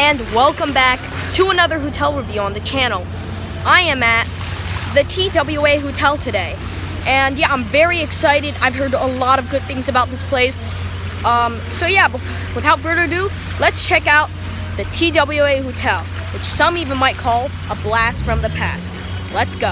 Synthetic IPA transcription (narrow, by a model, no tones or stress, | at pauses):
ɨ̃nwɛlˠkə̃mbæk | tʰəənʌðə˞ɦutʰɛlˠɹɨvjʉə̃nðɨt͡ʃʰænl̩ˠ | aɪɨ̃mɨt̪̚ | ðɨtʰidʌbl̩ˠjueɪɦotʰɛlˠtʰɨɾeɪ | ʔɨ̃njæãɪ̃ɱvɛɹiɨksaɪɾɨɾaɪv̥ɦɜ˞ɾəlɔɾʌvɡʊd̪̚θɪ̃ŋzɨbaʊt̪̚ðɪspʰl̥eɪs | soʊjæ | wəθaʊt̚v̥ɜ˞ɾə˞dʉ | lɨtst͡ʃʰɛkaʊt̪̚ | ðɨtʰidʌbl̩ˠjueɪhotʰɛlˠ | wɨt͡ʃsʌ̃mivə̃nmaɪt̚kʰɔlˠ | əblæsfɹʌ̃mðɨpʰæ̰st | lətsɡ̥oʊ